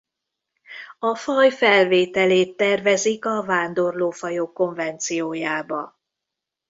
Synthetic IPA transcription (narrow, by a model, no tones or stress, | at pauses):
ɒfɒjfɛlveːt̪ɛleːt̪ːɛrvɛzikɒvaːnd̪o̞rloːfɒjoːkːo̞ɱvɛnt̪sijoːjaːbɒ̰